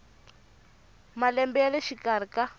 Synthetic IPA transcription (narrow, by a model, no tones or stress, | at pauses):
malɛmbɛaleʃikar̤ika